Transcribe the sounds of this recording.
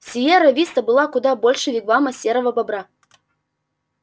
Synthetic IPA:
sʲijeɾɐvʲist̪ɐbɨlˠakud̪abolʲʂɨvʲɪɡvamɐsʲeɾəvɐbɐbɾa

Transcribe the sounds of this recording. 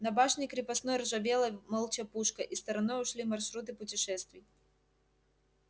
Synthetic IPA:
nɐbaʂnʲɪjkɾʲɪpɐsnojrʐɐvʲelˠəmɐlˠt͡ɕɐpuʂkəʔist̪ɐɾɐnojʊʂlʲimɐrʂɾut̪̬ɨpʊtʲɪʂɛst̪vʲɪj

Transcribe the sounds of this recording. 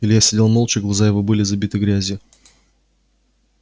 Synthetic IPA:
ilʲɪjasʲɪdʲelˠmolˠt͡ɕɪɡlˠazajɪvobɨlʲɪzɐbʲit̪ɨɡɾʲæzʲɪ

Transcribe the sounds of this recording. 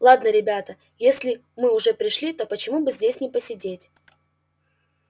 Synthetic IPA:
lˠad̪nəɾʲɪbʲat̪ə | jesʲlʲɪ | mɨʊʐɛpɾʲɪʂlʲit̪o̞pət͡ɕɪmubɨzʲdʲesʲnʲɪpəsʲɪdʲetʲ

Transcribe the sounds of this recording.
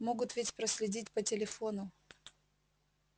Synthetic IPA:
mo̞ɡʊt̪vʲɪtʲpɾəsʲlʲɪdʲitʲpətʲɪlʲɪfo̞nʊ

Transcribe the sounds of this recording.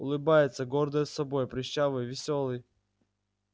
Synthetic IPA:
ʊlˠɨbajɪt̪səɡord̪əjəsːɐbo̞jpɾʲɪɕːavɨjvʲɪsʲolˠɨj

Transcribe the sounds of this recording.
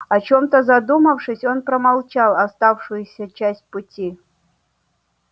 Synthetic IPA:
ɐt͡ɕomt̪əzɐd̪uməfʂɨsʲo̞npɾəmalˠt͡ɕalˠɐst̪afʂɨjʊsʲət͡ɕæsʲt̚ʲpʊtʲi

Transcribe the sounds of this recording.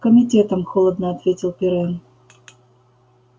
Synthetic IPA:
kəmʲitʲɛt̪ɐmxɔlˠəd̪nəat̪vʲetʲilˠpʲiɾɛn

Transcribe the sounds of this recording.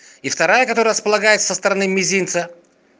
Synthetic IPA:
ift̪ɐɾajəkɐt̪oɾəɾəspəlˠɐɡajɪt̪sə̥səst̪əɾɐnɨmʲɪzʲijnt̪sə

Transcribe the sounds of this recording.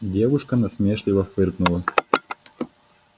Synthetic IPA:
dʲevʊʂkənɐsmʲeʂlʲɪvɐfɨrknʊlˠɐ

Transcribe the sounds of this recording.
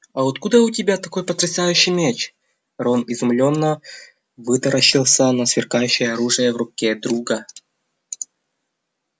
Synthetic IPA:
ɐot̪kud̪əʊtʲɪbʲat̪ɐko̞jpɐt̪ɾʲɪsajʉɕːɪjmʲet͡ɕ | ronɪzʊmlʲonːə | vɨt̪ɐɾəɕːɪlˠsʲənɐsvʲɪrkajʉɕːɪjəɐɾuʐɨjəvrʊkʲed̪ɾuɡɐ

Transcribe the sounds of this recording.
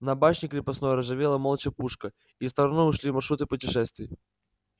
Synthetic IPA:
nɐbaʂnʲɪkɾʲɪpɐsnojəɾɐʐɨvʲelˠəmolˠət͡ɕəpuʂkə | ist̪ɐɾɐnoʊʂlʲimɐrʂɾut̪ɨpʊtʲɪʂɛst̪vʲɪj

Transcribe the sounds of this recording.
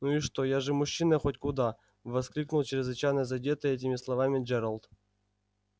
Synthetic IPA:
nuiʂt̪ojaʐɨmʊɕːinəxotʲkʊd̪a | vɐsklʲiknʊlˠt͡ɕɪɾʲɪzvɨt͡ɕajnəjzɐdʲet̪ɨɛt̬ʲɪmʲɪslˠɐvamʲɪd͡ʒɛɾəlˠt̪

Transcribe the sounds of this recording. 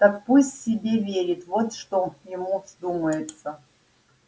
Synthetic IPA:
t̪əkpusʲtʲsʲɪbʲevʲeɾʲɪt̪vo̞t̪ʂt̪oknjɪmuz̥d̪uməjɪt̪sə

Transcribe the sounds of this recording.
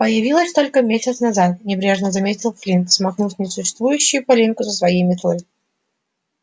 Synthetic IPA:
pəjɪvʲilˠəsʲt̪o̞lʲkəmʲesʲɪt̪snɐzat̪̚nʲɪbɾʲe̞ʐnəzɐmʲetʲɪlˠflʲinksmɐxnufʲnʲɪsʊɕːɪst̪vujʉɕːɪjʊpɐlʲinʲkʊzəsvɐjejmʲɪt̪olʲ

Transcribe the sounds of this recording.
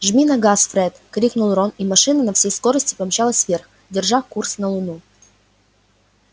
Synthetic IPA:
ʐmʲinɐɡasfɾɛt̪kɾʲiknʊlˠronimɐʂɨnɨnɐfsʲejskoɾəsʲtʲɪ̥pɐmʲɕalˠəsʲvʲerx | dʲɪrʐafkursnəlˠʊnu

